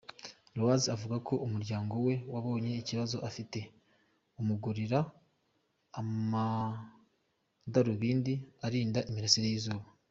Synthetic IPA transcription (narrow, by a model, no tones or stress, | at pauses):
lowaziavuɡako̞ʔumuɾɟaːŋɡo̞we̞waβo̞ːɲe̞iciβazo̞ʔafite̞ | umuɡuɾiɾa | ma | daɾuβiːndiaɾiːndaʔimiɾasiɾejiːzuːβa